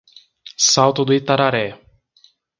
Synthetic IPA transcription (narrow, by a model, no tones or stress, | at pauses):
sawt̪ʊd̪ʊit̪aɾaɾɛ